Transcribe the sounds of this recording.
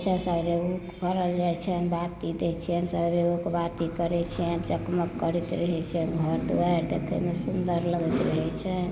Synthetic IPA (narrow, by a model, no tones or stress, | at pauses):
t͡ʃʰɛsəɾeukkəɾəld͡ʒajt͡ʃʰɛnbat̪id̪et͡ʃʰiɛnsəɾeukbat̪ikəɾɛt͡ʃʰiɛnt͡ʃəkməkːəɾit̪ɾəɦɛt͡ʃʰɛnbʱəɾt̪uaɾd̪ḛkʰə̰mesund̪əɾləɡɛt̪ɾəɦɛt͡ʃʰɛn